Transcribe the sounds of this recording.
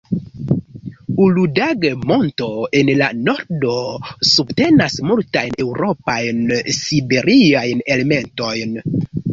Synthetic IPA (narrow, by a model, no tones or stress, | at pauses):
uludaɡemo̞nto̞e̞nlano̞ɾdo̞subte̞nasmultajne̞wɾo̞pajnsibe̞ɾiajne̞le̞me̞nto̞jn